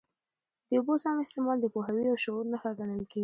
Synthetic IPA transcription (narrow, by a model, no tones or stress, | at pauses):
d̪̥əʊbosɑmɪst̪ɪmɑld̪əpoɦawiawʃoɾnaxaɡanəlkeɡi